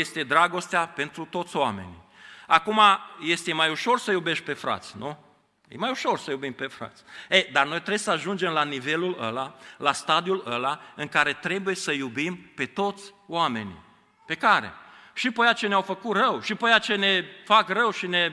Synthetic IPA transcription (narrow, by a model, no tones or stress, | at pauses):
je̞st̪e̞d̪ɾaɡo̞st̪eape̞nt̪ɾut̪o̞t̪sʲoame̞̰nḭ | akumaje̞st̪e̞majuʃo̞rsəjube̞ʃt̪̚pe̞fɾa̰t̪sʲnu | jḛmajuʃo̞rsəjubimpe̞fɾa̰t̪sʲejd̪arno̞jt̪ɾesəaʒund͡ʒe̞mlanive̞lulə̰lalast̪ad̪iuləlaɨŋkaɾe̞t̪ɾe̞buje̞səjubimpe̞t̪o̞t̪sʲ | oame̞̰nḭ | pe̞kaɾḛʃipəjat͡ʃe̞neawfəkut̪rəwʃipəjat͡ʃe̞ne̞fakrəwʃine̞